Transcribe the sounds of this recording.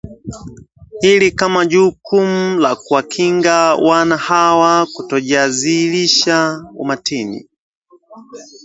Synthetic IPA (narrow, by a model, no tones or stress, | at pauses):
hilikamaʄuːkumulakuwakʰiŋɡawanahawakutɔʄaziliʃaṵmatinḭ